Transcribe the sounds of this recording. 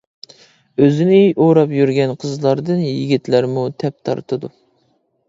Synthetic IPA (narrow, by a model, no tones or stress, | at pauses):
øzɪnɪoɾɑpjyɾɡʲɛnqʰəzlˠɑɾd̪ɨnjɪɡʲit̪læɾmut̪ʰɛp̚t̪ʰɑ̰ɾt̪ʰɨd̪u